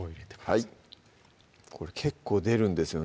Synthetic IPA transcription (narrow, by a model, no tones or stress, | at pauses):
hai | kʰo̞ɾe̞kʰe̞kʰːo̞ːd̪e̞ɾɯ̟̃nd̪e̞sɨjo̞